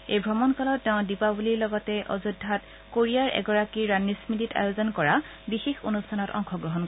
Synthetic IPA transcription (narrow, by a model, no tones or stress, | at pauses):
ejbʱɹɔmɔnkalɔtːɛʊ̃dipabuliɹlɔɡɔtɛʔo̰zudʱat | koɹiaɹʔɛ̰ɡɔɹakiɹanːismitita̰jozɔnkɔɹa | bixexonustʰanɔtɔ̰ŋxʰɔɡɹɔɦɔnk